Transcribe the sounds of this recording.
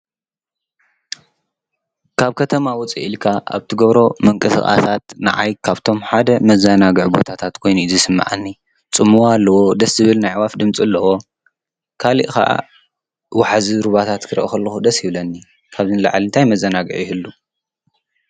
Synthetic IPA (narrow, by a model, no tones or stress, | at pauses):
kʰaβkʰɐt̪ʰɐmawʊt͡sʼḭʔilkʰaʔa̰βt̪ʰɨɡɐβɾo̞mɨŋkʼɨsɨxʼa̰sat̪nɨ̰ʕajkʰaβt̪ʰo̞mħad̪ɐmɐzanaɡɨʕbo̞̰t̪ʰat̪ʰat̪kʰo̞jnuizɨsɨmːa̰ʕa̰nːi | t͡sʼɨmːuwaalːɐwo̞d̪ɐszɨβɨlnajʕwafd̪ɨmt͡sʼɨlːɐwo̞ | kʰalḭʔka̰ʔa̰ | waħaziɾuβat̪ʰat̪kʰɨɾʔɐkɐlːɐxud̪ɐsjɪβlɐnːi | kʰaβzɨnla̰ʕlint̪ʰajmɐzɐnaɡɨʕjɪhɨlːu